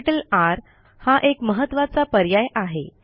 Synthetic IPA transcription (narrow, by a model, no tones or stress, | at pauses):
ʈəlaɾ | haʔekməɦət̪ːʋat͡sapəɾjajʔaɦe